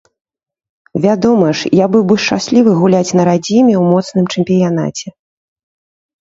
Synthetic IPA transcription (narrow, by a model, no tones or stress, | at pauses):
vʲad̪ɔmɐʂjabɨwbɨʂt͡ʂasʲlʲivɨɣulʲat͡sʲnɐɾad͡zʲimʲɛwmɔt̪snɨmt͡ʂɛmʲpʲijan̪a̰t͡sʲɛ